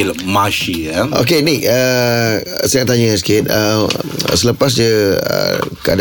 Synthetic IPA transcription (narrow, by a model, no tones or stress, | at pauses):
ilmaʃiaʔo̰kenik̚ə | səjaʔt̪aɲə̃skɪt̪̚ə̰ | sələpas̬dəə̰kad